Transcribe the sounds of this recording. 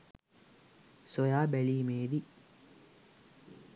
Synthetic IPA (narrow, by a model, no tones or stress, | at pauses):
sojaːbeliːmeːd̪i